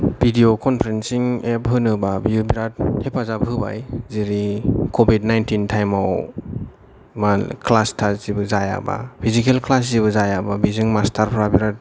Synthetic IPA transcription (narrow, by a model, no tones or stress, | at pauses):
bʱidiokʰɔnpʰɾensiŋep̚ɦɯnɯbabiubiɾat̚hepʰazabɦɯba̰jziɾikʰobidnajntintʰajmaw | maklastʰazibɯzaja̰ba̰pʰizikelkʰlas̬zibɯzajababizɯŋmastʰaɾpʰɾabiɾat̚